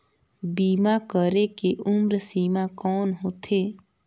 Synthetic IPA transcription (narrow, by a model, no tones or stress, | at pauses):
biːmakəɾekeʔʊmɾəsiːmakɔːnɦoːt̪ʰeː